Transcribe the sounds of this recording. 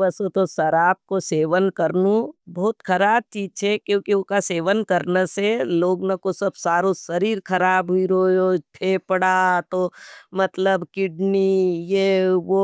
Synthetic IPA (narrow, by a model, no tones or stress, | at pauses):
ɐsot̪osɐɾaːp̚koseːʋənkəɾnũbɐːt̪kʰɐɾaːb̚t͡ʃiːt͡ʃʰekjõːkiokaseːʋənkɐɾnaseloːɡnɐkosɐbsaːɾosɐɾiːɾkɐɾaːbɦuiɾoːjoʈʰeːpəɽat̪omɐt̪ləbkɪɖnijeʋo